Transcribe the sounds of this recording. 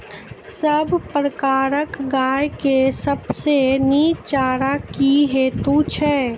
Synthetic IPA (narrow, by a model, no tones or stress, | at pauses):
səbʱpɾəkaːɾəkɡaːjkesəbseniːt͡ʃaːɾakiɦeːt̪ut͡ʃʰɛː